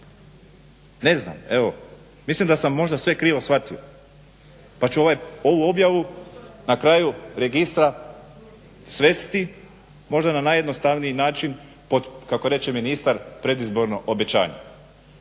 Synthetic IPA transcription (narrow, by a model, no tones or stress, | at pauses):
ne̞zna̰me̞ʋo | mislimd̪asamːo̞ʒd̪asʋe̞kɾiːʋo̞sʋat̪io | pat͡ʃuoʋajo̞ʋuo̞bjaʋunakɾaːjuɾe̞ɡist̪ɾa | sʋe̞st̪i | mo̞ʒd̪ananaje̞d̪nost̪aʋnijinaːt͡ʃin | po̞d̪kakoɾe̞t͡ʃeminist̪aɾpɾe̞d̪izbo̞ɾno̞ʔobe̞t͡ɕa̰ːɲḛ